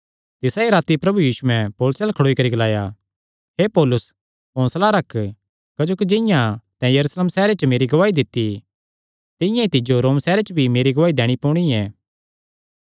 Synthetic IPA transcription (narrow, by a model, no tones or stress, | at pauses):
t̪ɪsaiɾaːt̪ipɾɐbujiːsuɛ̃poːlʊsɛːlkʰɐɽoːikɐɾiɡɐlaːja | ɦepoːlʊs | pɔ̃ːslaɾɐkʰː | kɐd͡ʒoːkid͡ʒɪjãt̪ɛ̃jɐɾusleːmsɛːɾet͡ʃəmeːɾiɡɐʋaːid̪ɪt̪ːi | t̪ɪ̃jãit̪ɪd͡ʒoɾoːmsɛːɾet͡ʃbʱimeːɾiɡɐʋaːid̪ɛːɽ̃ipoːɽ̃iɛː